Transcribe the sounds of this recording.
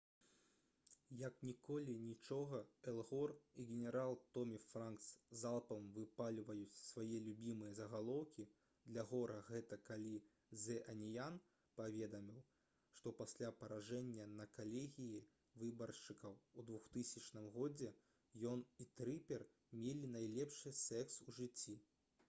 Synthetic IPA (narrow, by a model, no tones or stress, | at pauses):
jɐknʲikɔlʲinʲit͡ʂɔɣɐɛlˠɣɔriɣʲɛnʲɛɾalˠt̪ɔmʲifɾankszalˠpɐmvɨpalʲvɐjut͡sʲsvajɛlʲubʲimɨjɐzɐɣalˠɔwkʲi | d̪lʲɐɣɔɾɐɣɛt̪ɐkalʲi | zɛʔɐnʲijan | pavʲɛd̪ɐmʲiw | ʂt̪ɔpasʲlʲapɐɾaʐɛnʲːɐnɐkalʲeɣʲiji | vɨbɐrʂɨkɐwud̪vuxt̪ɨsʲɐt͡ʂnɨmɣɔd͡zʲɛ | jɔnit̪ɾɨpʲɛr | mʲelʲinajlʲɛpʂɨsɛksuʐɨt͡sʲːi